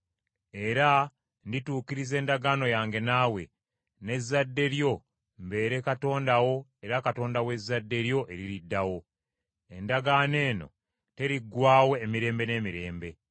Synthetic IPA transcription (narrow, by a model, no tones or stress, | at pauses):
e̞ɾa | ndituːkiɾize̞ːndaɡaːno̞jaːŋɡe̞naːwe̞ | ne̞zːadːe̞ɾjo̞ | mbe̞ːɾe̞kato̞ːndawo̞e̞ɾakato̞ːndawe̞zːadːe̞ɾjo̞ʔe̞ɾiɾidːawo̞ | endaɡaːne̞ːno̞̰ | te̞ɾiɡwaːwe̞ːmiɾe̞ːmbe̞ne̞ːmiɾe̞ːmbe̞